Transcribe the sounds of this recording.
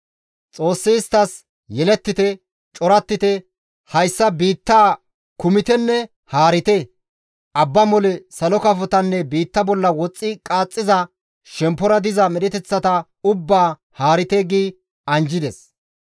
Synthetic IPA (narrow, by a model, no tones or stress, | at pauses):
t͡sʼo̞ːsːɪːst̪ːɐs | jɛlɛt̪ːɪt̪ɛ | t͡ʃʼɔɾɐt̪ːɪt̪ɛ | hɐjsːɐbiːt̪ːaː | kʊmɪt̪ɛnːɛ | haːɾɪt̪ɛ | ʔɐbːɐmɔlɛsɐlɔkɐfɔt̪ɐnːɛbiːt̪ːɐbɔlːɐwɔt͡sʼːɪkʼaːt͡sʼːɪzɐ | ʃɛmpːɔɾɐd̪ɪzɐmɛɗɛt̪ɛt͡sːɐt̪ɐ | ʊbːaː | haːɾɪt̪eːɡiː | ɐnd͡ʒɪd̪ɛs